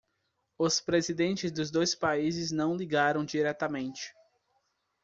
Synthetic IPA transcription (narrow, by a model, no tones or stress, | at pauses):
ʊspɾezid̪ẽnt͡ʃɪzd̪ʊzd̪ojspaizɪznɐ̃w̃liɡaɾɐ̃w̃d͡ʒiɾɛt̪ɐmẽnt͡ʃɪ̥